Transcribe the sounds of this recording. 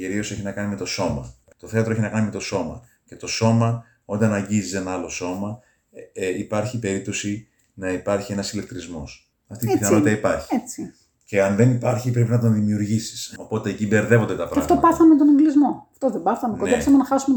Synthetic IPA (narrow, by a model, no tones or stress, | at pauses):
iɾio̞se̞çinɐkɐnime̞t̪o̞so̞mɐ̰ | t̪o̞θe̞ɐt̪ɾoeçinɐkɐnime̞t̪o̞so̞mɐ̰ | ce̞t̪o̞so̞mɐ | o̞nd̪ɐnɐɲɟizise̞nɐɐlo̞so̞mɐ | eipɐɾçipe̞ɾip̚t̪o̞si | nɐipɐɾçie̞nɐsile̞k̚t̪ɾizmo̞̰s | ɐft̪iiiθɐnoit̪ɐipɐɾçi̥et͡si | ce̞ɐnðe̞nipɐɾçipɾe̞pinɐt̪onðimiuɾʝisi̥so̞po̞t̪e̞ːcibe̞ɾðe̞vo̞nd̪et̪ɐpɾɐɣft̪opɐθɐmet̪oneŋɡlizmoɐft̪oðebɐθɐmenkod̪esɐmenɐxɐsume